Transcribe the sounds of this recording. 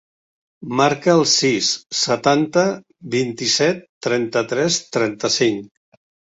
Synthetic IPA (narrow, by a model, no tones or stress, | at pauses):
maɾkəːlˠsisːət̪ant̪ə | βint̪isɛt̪ːɾɛnt̪ət̪ɾɛst̪ɾɛnt̪əsiŋk